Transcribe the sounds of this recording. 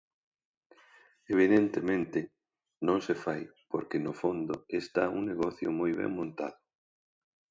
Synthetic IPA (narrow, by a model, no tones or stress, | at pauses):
eβ̞iðent̪emẽnt̪ɪ | nõŋsefajpoɾkɪnʊfond̪ʊest̪auŋneɣɔθjʊmojβɛ̰ŋmõnt̪a̰ðʊ